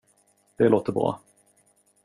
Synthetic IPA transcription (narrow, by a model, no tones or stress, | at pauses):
d̪̥ɛloːt̪əɾbɾɑ̰ː